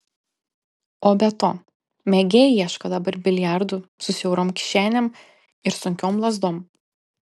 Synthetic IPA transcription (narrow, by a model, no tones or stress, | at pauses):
oːbʲɛt̪oː | mʲɛɡʲeːjiɛʃkɐd̪ɐbɐɾbʲɪlʲjæˑɾd̪usʊsʲɛʊɾoːmkʲɪ̥ʃʲæːnʲɛm | ɪɾsʊŋʲkʲoːmlˠɐzd̪oːm